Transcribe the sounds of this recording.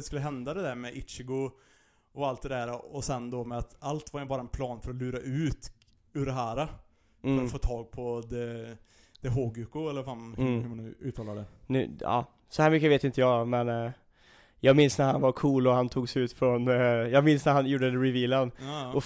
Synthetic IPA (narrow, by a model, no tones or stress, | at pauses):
d̪ɛskɵlːəɦɛnd̪ad̪ɛd̪æɾmɛʔɪt͡ʃɪɡʊ | ɔalt̪̚d̪ɛd̪æɾaɔsɛnd̪ɔmɛat̪alt̪vaɾɛbɑːɾaɛnpʰlɑːnfœɾɔlʉːɾaʔʉ̟ːt̪ | ʉːɖɛɦæːɾa | ɾɔfoːt̪ʰɑːɡ̚pʰɔd̪ɛ | d̪̥ɛɦoːɡʉkʊɛlːəɾfanhʉhʉmanʉ̰ʉ̰ːt̪ʰɑːlaɖ̪ɛnʉ̰ɑ̰ː | sɔhæːɾmʏkːəveːt̪ɪnt̪əjɑːmɛn | jɑːɡmɪnsnæɾhanvaɾkʰuːlɔhant̪ʰuːɡsɛʉːt̪fɾɔnjɑːɡmɪnsnæɾhanjuːɖədɛɾɪviːlənʔɔ